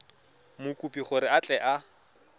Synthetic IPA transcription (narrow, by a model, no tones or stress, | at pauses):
mʊkʼupʼiχʊɾɪat͡ɬʼɛʔa